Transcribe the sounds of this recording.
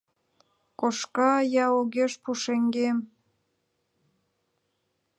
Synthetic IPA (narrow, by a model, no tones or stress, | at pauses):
koʃkɑjɑoɣeʃpuʃeŋɡem